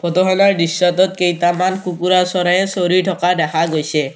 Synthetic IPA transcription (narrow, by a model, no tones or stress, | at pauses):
pʰɔt̪ɔɦɔlaɹɖisːat̪ɔt̪̚kejt̪amankukuɾasɔɾajesoɾiɹʈʰɔkad̪ɛkʰaɡojsɛ